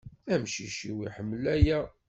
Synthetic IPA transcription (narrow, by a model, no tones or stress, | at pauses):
æmʃiʃiwiħəmːlæjæ